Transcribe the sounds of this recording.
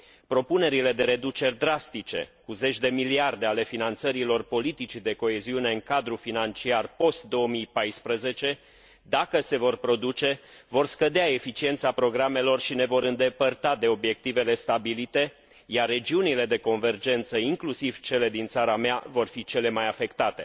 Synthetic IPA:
pɾo̞pune̞ɾile̞d̪e̞ɾe̞d̪ut͡ʃe̞rʲd̪ɾast̪it͡ʃe̞̰kuze̞t͡ʃʲd̪e̞miliard̪e̞ale̞finant̪səɾilo̞rpo̞lit̪it͡ʃid̪e̞ko̞e̞ziune̞ɨŋkad̪ɾufinant͡ʃiarpo̞st̪̚d̪o̞əmijpajspɾəze̞t͡ʃe̞ | d̪akəse̞vo̞rpɾo̞d̪ut͡ʃe̞vo̞rskəd̪eae̞fit͡ʃie̞nt̪sapɾo̞ɡɾame̞lo̞rʃine̞vo̞ɾɨnd̪e̞pərt̪ad̪e̞o̞bje̞k̚t̪ive̞le̞st̪abilit̪e̞ | jarːe̞d͡ʒiunile̞d̪e̞ko̞nve̞rd͡ʒe̞nt̪səiŋklusiv̥t͡ʃe̞le̞d̪int̪saɾameavo̞rfit͡ʃe̞le̞majafe̞kt̪at̪e̞̰

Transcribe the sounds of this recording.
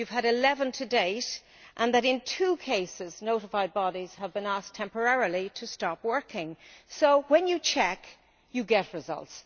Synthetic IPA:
ʉv̥əɾɪlɛvə̃ntʰɨdeɪt | ʔə̃nðəɾɪ̃ntʰuːkʰeɪsɪznoʊɾəfaɪd̚bɑɾiz̥əvbɨ̃nastʰɛ̃mpə˞ɛɹilˠiɾʰəstɑpwɜ˞kɪ̃ŋsoʊwə̃njɨt͡ʃʰɛk | jɨɡɛtɹɪzʌ̰lˠts

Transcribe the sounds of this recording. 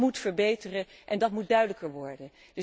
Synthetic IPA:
mutfəɹbejtərəʔɛndɑtmut̚dœɥdələkəɹʋɔɹdən | d̥

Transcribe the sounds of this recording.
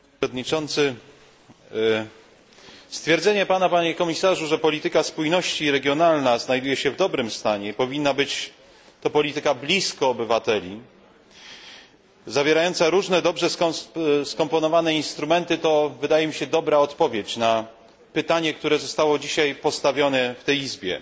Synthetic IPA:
d̪ɲit͡ʂɔnt̪sɘ | st̪fʲjɛɾd̪zɛɲɛpanapaɲɛkɔmʲisaʐuʐɛpɔlʲit̪ɘkaspujnɔɕt͡ɕiɾɛɡjɔnalnaznajd̪ujɛɕɛvd̪ɔbɾɘmst̪aɲɛipɔvʲinːabɘt͡ɕ | t̪ɔpɔlʲit̪ɘkablʲiskɔːbɘvat̪ɛlʲi | zavʲjɛɾajɔnt̪saɾuʐnɛd̪ɔbʐɛsskɔmpɔnɔvanɛinst̪ɾumɛnt̪ɘt̪ɔvɘd̪ajɛmʲiɕɛd̪ɔbɾaɔt̪pɔvʲjet͡ɕna | pɘt̪aɲɛk̚t̪uɾɛzɔst̪awɔd͡ʑiɕajpɔst̪avʲjɔnɛft̪ɛjizbʲjɛ̰

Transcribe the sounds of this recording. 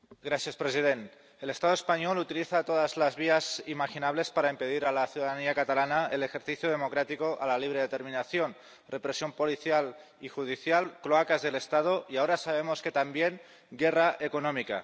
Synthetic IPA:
ɡɾaθjaspɾesiðent̪ | ele̞st̪að̞oespaɲolut̪iliθat̪oðazlazβ̞iazimaxinaβle̞spaɾaimpe̞ðiɾalaθjuðaðaniakat̪alanaelexe̞ɾθiθjoð̞e̞mokɾat̪ikoʔa̰laliβ̞ɾeðet̪e̞ɾminaθjon | repɾesjo̞mpo̞liθjal | ixuð̞iθjalkɾoakazðele̞st̪að̞oiaoɾasaβ̞emoske̞t̪ambjeŋ | ɡeraʔekonomika̰

